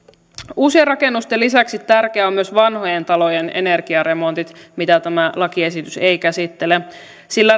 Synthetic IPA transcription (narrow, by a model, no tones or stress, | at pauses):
uːsierɑke̞nːust̪elːisæksit̪ːærk̟eæomːyø̞sʋɑnɦo̞jent̪ɑlo̞jene̞̰ne̞rɡ̥iɑɾe̞mo̞nt̪it̪mit̪æt̪æmælɑkie̞sit̪yse̞jkæsit̪ːe̞le | silːæ